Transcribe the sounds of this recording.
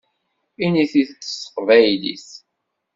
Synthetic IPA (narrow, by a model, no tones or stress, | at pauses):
iniθiθət͡sːə̥sˤːə̥qvæjlḭs